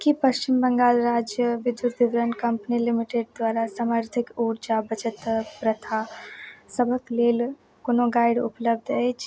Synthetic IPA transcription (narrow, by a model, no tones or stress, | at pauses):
kipɐʃt͡ʃɪmbə̃ŋɡaːlɾaːd͡ʒjəʋɪd̪uɾd̪ɪʋɾənkɐ̃mpnilɪmɪʈeɖ̚d̪ʋaːɾasaːməɾt̪ʰɪkuːɾd͡ʒabət͡ʃət̪pɾət̪ʰasəbʱəkleːl | konoɡaːɪɖʊpləb̚d̪ʱɦet͡ʃ